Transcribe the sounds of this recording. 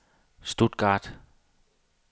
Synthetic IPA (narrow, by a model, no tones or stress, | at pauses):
sd̥ud̥̚ɡ̥ɑːd̥